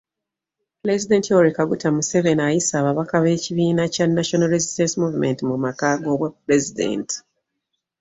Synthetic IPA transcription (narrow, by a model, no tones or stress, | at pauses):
pɾezide̞ntioɾikaɡutamuse̞βe̞najisaːβaβakaβe̞ːciβiːnacanːaʃonalɾezistensimuvume̞ntimumakaɡo̞ːβwepɾe̞zidḛnti̥